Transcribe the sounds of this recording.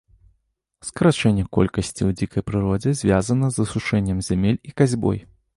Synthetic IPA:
skɐɾat͡ʂɛnʲːɛkɔ̰lʲkɐsʲt͡sʲiwd͡zʲikɐjpɾɨɾɔd͡zʲɛzʲvʲazɐnɐzɐsuʂɛnʲːɐmzʲamʲelʲikazʲbɔ̰j

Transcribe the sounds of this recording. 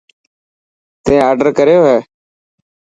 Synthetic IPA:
t̪ẽːaːɾɖəɾkəɾjoːɦɛː

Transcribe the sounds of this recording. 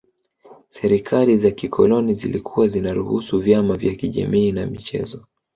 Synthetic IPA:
sɛɾikʰalizakikʰɔlɔnizḭlikʰuwazinaɾuhusuvjamavjakiʄa̰miːna̰mit͡ʃɛ̰zɔ

